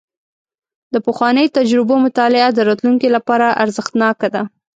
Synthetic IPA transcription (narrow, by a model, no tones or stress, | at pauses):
d̪əpəxwɑnəjt̪ad͡ʒɾɪbomʊt̪ɑlɪad̪əɾɑt̪luŋkelapɑɾaʔaɾzəxt̪nɑkad̪a